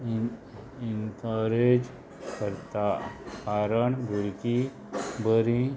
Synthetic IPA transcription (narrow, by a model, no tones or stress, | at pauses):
int̪əɾed͡ʒ | kəɾt̪akaːɾəɳbʱuɾki | bəɾĩ